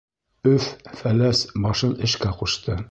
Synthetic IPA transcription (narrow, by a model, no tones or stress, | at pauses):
ɵffælæsbɑʃɤnɘ̆ʃkæquʃt̪ɤ